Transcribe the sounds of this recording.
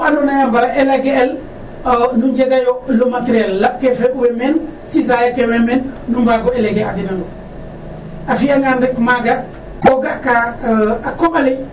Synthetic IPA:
anonajambalaʔeleɡeːl | nuɲɟeɡajolomateɾiellab̚kefewemensisajakewemenːumbaɡoeleɡeadinaŋo | afijaŋandikmaɡa | koɡakaakomali

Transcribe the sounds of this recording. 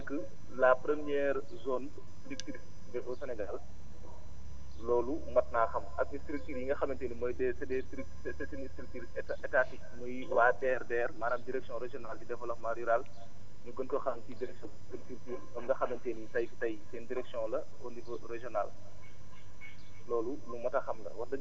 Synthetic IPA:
ɐkːə | lapɾəmijɛɾ | zɔn | ik̚tiɾis | bɛʔɔsɛnɛɡal | lɔːlumɐt̚naːxɐmɐk̚istɾik̚tiːɾjiŋɡɐxɐmɐnteːnimɔjdɛsɐdɛtɾi | sɛsinistɾik̚tiɾisɛtɛtatik̚mɔj | waːdɛːrdɛːrmaːnɐmdiɾɛksjɔ̃ɾɛʒjɔnald͡ʒidɛfɔlɐxmaɾiɾal | ɲuɡɔnkɔxɐmtidiɾɛksɔ | tiltiɾtiːɾɔŋɡɐxɐmɐnteːnjitɐjfi̥tɐjsɛndiɾɛksiɔ̃ŋlɐ | ɔnivɔrɛʒɔnal | lɔːlulumɐtaxɐmlɐ̰wɐtdɐ

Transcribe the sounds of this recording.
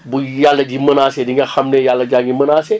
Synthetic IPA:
bujalːɐd͡ʒimənasediŋɡɐxamnejalːɐd͡ʒaŋɡimɐnaːsɛ

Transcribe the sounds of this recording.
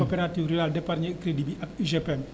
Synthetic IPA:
opɛɾat̪iwɾialdɛparɲɛkɾɛdibiʔakiʒɛpɛm

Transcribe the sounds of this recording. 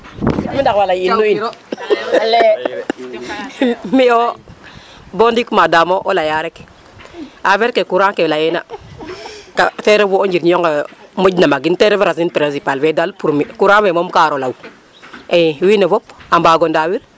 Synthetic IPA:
mindakwalajinːuin | le | mio | bondikmadamoʔolajaɾek | aveɾkekuɾakelajena̰ | kateɾevuond͡ʒiɾɲjoŋɡemuɟnamaɡinteɾeveɾaz̬inpɾensipalvedalpuɾmikuɾawemomkaɾolaw | ewinevopambaɡondawiɾ

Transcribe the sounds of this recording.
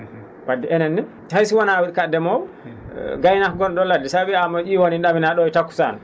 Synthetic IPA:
wadːiɛnɛnːi | hajsiwanawiɗkadɛmɔw | ɡajnakɡɔnɗɔladːisabiamɔʔiwoninɗaminaɗɔjtakːu̥sa̰n

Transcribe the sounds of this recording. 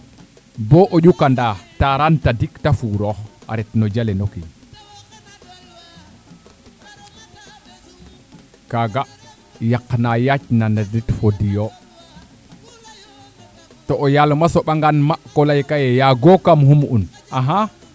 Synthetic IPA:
bɔʔoɗukandataɾantadiktafuɾɔa̰ɾɛtnɔd͡ʒalɛnokḭɲ | kaɡa | jaknajat͡ʃnanaditfodijo | tɔʔːjalmasɔɓaŋɡanmakɔlajkajɛjaɡɔkamhumun | aɦa

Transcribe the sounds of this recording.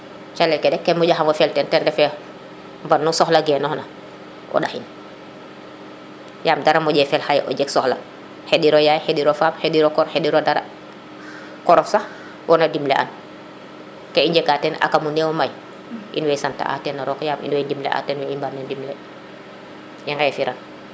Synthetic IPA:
t͡ʃalɛkɛdɛkːɛmɔɟaxamwɔfɛltɛntɛndɛfɛ | mbannːusɔxlaɡɛːnɔhna | ʔɔ̰ɗahin | jaːmdaɾamɔɟɛfɛlhajʔɔ̰d͡ʒɛksɔxla | hediɾɔjajhediɾɔfaːphediɾɔkɔɾhediɾodaɾa̰ | kɔɾɔfsax | wɔnadimlḛʔa̰n | kɛiɲd͡ʒɛkatɛnʔa̰kamunɛwɔmaj | ʔḭnwɛjsanta̰ʔa̰tɛnːaɾɔkjamḭnwɛdimlɛ̰ʔa̰tɛnwɛimbanːɛndimlɛ | jɛŋɡajɛfiɾʔan

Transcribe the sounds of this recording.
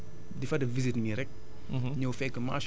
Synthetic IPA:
difɐdɐvizitmiɾɛk̚ | ɲɐwfɛkːəma̰ːʃ

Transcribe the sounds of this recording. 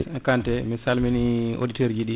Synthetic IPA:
kantɛmɛsalminiʔo̰diteɾd͡ʒiɗi

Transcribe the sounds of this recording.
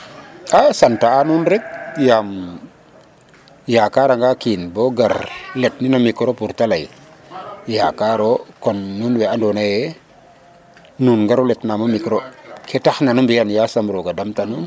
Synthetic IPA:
asantaːnunɾɛk̚jam | jakaɾaŋɡakinboɡaɾletninomikɾopuɾtalaj | jakaɾokonːunweandonaje | nunŋɡaɾuletnamomikɾokʰetaxnanumbijanjasambɾoɡadamtanun

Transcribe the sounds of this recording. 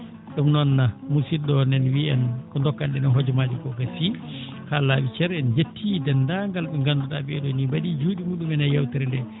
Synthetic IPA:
ɗumnɔnːamusiɗɔnɛnwiɛnkɔndɔkːanɗɛnɛɦɔd͡ʒɔmad͡ʒikɔkasi | kalawit͡ʃɛɾɛnd͡ʒetʰːidɛndaŋɡalɓɛŋɡanduɗabɛɗonibaɗid͡ʒuːdimuːɗumɛnajawtɛɾɛndɛ

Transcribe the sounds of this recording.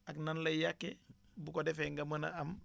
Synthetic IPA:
aknanlɐjakːebukodɛfeŋɡaməna̰am

